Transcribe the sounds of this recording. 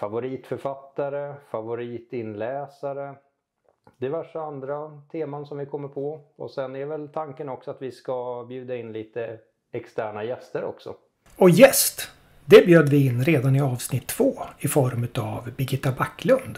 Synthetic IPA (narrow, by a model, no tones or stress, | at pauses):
favʊɾiːt̪fœɾfat̪ːaɾəfavʊɾiːt̪ɪnlɛːsaɾə | d̪̥ɛvæʂaand̪ɾat̪ʰeːmansɔmvɪkʰɔmːəɾpʰɔɔ̰sɛnɛɾvɛlt̪ʰaŋkənɔksɔat̪vɪskabjʉ̟ːd̪aɪnliːt̪ə | ɛkst̪æːɳajɛst̪əɾɔ̰ksɔ̰ | ɔjɛst̪ | d̪ɛbjøːd̪vɪɪnːɾeːd̪anɪɑːvsnɪt̪ʰːv̥oːɪfɔɾmʉ̟ːt̪avbɪɡɪt̪ːabakːlɵnd̪